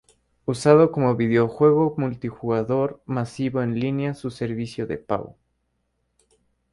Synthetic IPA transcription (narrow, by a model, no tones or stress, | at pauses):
usað̞o̞ko̞mo̞βiðeoxwe̞ɣ̞o̞mult̪ixuɣaðo̞ɾmasiβo̞enlinjasuse̞ɾβisjoðe̞̰pa̰w